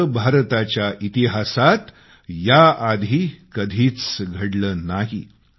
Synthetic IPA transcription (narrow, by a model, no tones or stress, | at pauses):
bʱaɾt̪at͡ɕjaʔit̪iɦasat̪ | jaad̪ʱiːkəd̪ʱiːt͡sɡʱəɽləːnaɦḭ